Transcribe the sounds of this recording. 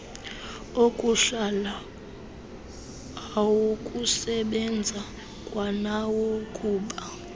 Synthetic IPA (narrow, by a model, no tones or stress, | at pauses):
okʼuɬala | awokʼusɛɓɛnd͡zʱa | kʼwanawokʼuːɓa